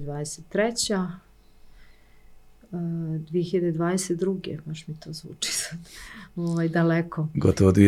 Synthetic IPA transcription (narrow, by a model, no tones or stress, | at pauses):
d̪ʋaːd̪eset̪ːɾet͡ɕa | d̪ʋijeçiʎad̪ed̪ʋaːd̪eset̪d̪ɾuɡḛmaʃmit̪oːzʋṵːt͡ʂi̥sḁd̪oʋajd̪alekoɡot̪oʋod̪ʋi